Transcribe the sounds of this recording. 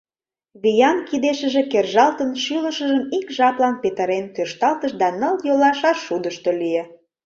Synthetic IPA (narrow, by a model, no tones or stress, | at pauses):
βijɑnkid̪eʃə̆ʒĕkerʒɑlt̪ənʃylə̆ʃəʒəmikʒɑplɑnpet̪əɾent̪øʃt̪ɑlt̪əʃd̪ɑnə̆ljolɑʃɑʃːud̪əʃt̪olijĕ